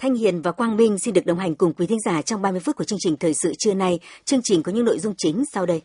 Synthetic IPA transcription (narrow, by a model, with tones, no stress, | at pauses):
t̪ʰa˧jŋhḭ˧˨ənvaː˨˩kwaː˧nmi˧ŋ̟si˧nɗɨ˨˩k̚ɗə˨˧wɦa˨˩ŋ̟kʊ˨˩ŋ͡mkwi˨˦t̪ʰi˨˦ŋzaː˧˩t͡ɕɔ˧wŋ͡mɓaː˧mɨ˧əfu˦˥t̚kəɨ˧əŋt͡ɕï˨˩ŋ̟t̪ʰəː˨˩jsɨ̰˧˨t͡ɕɨ˧əna˧jt͡ɕɨ˧əŋt͡ɕï˨˩ŋ̟kːɲɨ̰˧˥ŋno̰˧˨jzʊ˧ŋ͡mt͡ɕï˨˦ŋ̟sa˧wɗə˧j